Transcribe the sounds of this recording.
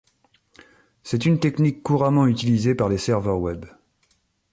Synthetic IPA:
sɛt̪ynt̪ɛknikːuʁamɑ̃yt̪ilizepaʁlesɛʁvœʁwɛb

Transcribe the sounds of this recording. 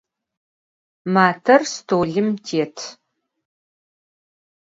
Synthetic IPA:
maːtʰɐrstʰoːɮɨmtʰeːtʰ

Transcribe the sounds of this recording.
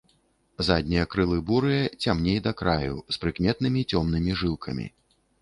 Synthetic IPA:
zad̪ʲnʲijɐkɾɨlˠɨbuɾɨjɐt͡sʲamnʲejd̪ɐkɾajṵspɾɨkmʲɛt̪̚nɨmʲit͡sʲɔmnɨmʲiʐɨlˠkʰɐmʲḭ

